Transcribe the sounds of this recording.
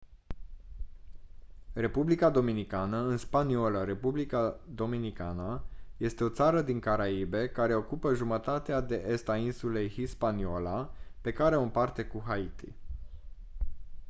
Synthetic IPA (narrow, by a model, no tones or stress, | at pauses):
re̞publikad̪o̞minikanəɨnspanio̞ləɾe̞publikad̪o̞minika̰nəje̞st̪e̞o̞t̪saɾəd̪iŋkaɾaibe̞kaɾe̞o̞kupəʒumət̪at̪ead̪e̞ʔe̞st̪ainsule̞jhispaniolape̞kaɾeo̞ɨmpart̪e̞kuɦait̪ḭ